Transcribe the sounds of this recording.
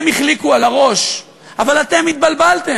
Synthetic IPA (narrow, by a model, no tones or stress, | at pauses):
miχlikualaʁo̞ʃ | avalat̪e̞mit̪̚balbalt̪e